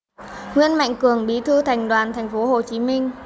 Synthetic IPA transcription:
ŋwḭ˧ənma̰˧˨jŋ̟kɨ˨˧˩əŋɓi˨˦t̪ʰɨ˧t̪ʰa˨˩jŋ̟ɗwaː˨˩nt̪ʰa˨˩jŋ̟fo˨˦ɦo˨˩t͡ɕi˨˦mi˧ŋ̟

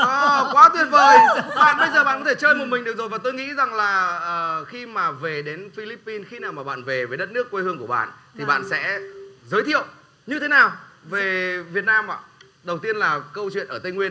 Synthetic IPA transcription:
ʔɔ˨˩kwaː˨˦t̪wi˨˩ənvəː˨˦˩jɓa̰ː˧˨nɓə˧jzəː˨˩ɓaː˧˨kt̪e˧˩t͡ɕəː˧lə˧˨jmo˨˩t̚mi˨˩ŋ̟ɗɨ˨ək̚zo˨˩jvaː˨˩t̪o˧jŋḭ˧˥za˨˩ŋlaː˨˩ʔəː˨˩xi˧maː˨˩ve˨˩ɗe˨˦nfi˧li˦˥pːi˧nxi˧naː˨˩wmaː˨˩ɓa̰ː˧˨nve˨˩veː˨˦jɗə˦˥t̚nɨ˦˥əkːwe˧hɨ˧əŋku˧˩əɓa̰ː˧˨nt̪ʰi˨˩ɓa̰ː˧˨nsɛ̰˧˥zəː˨˦jt̪ʰḭ˧˨əw | ɲɨ˧t̪ʰe˨˦naː˨˩wve˨˩vi˨˩ət̚naː˧mʔa̰ː˧˨ | ɗə˨˩wt̪i˧ənlaː˨˩kə˧wt͡ɕwḭ˧˨ənʔəː˧˩t̪ə˧jŋwi˧ən

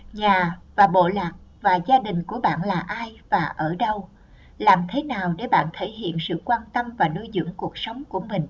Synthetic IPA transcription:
ɲaː˨˩vaː˨˩ɓo̰˧˨laː˨˩k̚vaː˨˩zaː˧ɗï˨˩ŋ̟ku˧˩əɓa̰ː˧˨nlaː˨˩ʔaː˧jvaː˨˩ʔəː˧˩ɗə˧w | laː˨˩mt̪ʰe˨˦naː˨˩wɗe˧˩ɓa̰ː˧˨nt̪ʰe˧˩jɦḭ˧˨ənsɨ̰˧˨kwaː˧nt̪ə˧mvaː˨˩no˧jzɨ̰˧˥əŋku˨˩ək̚sə˨˦wŋ͡mku˧˩əmï˨˩ŋ̟

